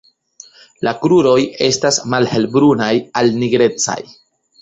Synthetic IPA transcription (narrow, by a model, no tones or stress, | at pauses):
lakɾuɾo̞je̞stasmalhe̞lbɾunajalniɡɾe̞t͡sa̰j